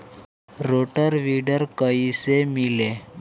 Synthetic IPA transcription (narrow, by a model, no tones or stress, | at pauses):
ɾoʈəɾʋiɖəɾkəisemile